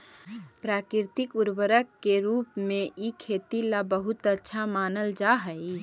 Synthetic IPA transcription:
pɾaːkɪɾt̪ɪkʊɾbəɾəkːeɾuːpmẽikʰeːt̪ilabəɦʊt̪ətːʃʰamaːnəld͡ʒaːɦɛi

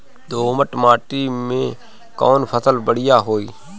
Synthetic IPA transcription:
d̪oːməʈmaːʈiːmẽː | koːnpʰəsəlbəɽɪjaːɦoːiː

